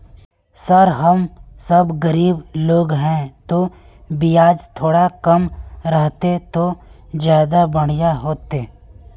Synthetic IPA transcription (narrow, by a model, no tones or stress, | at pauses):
sɐɾɦəmsɐbɡəɾiːbloːɡɦɛ̃t̪o | bijaːd͡ʒt̪ʰoːɽakɐmɾəɦt̪et̪od͡ʒjaːd̪abəɽ̃jaɦoːt̪eː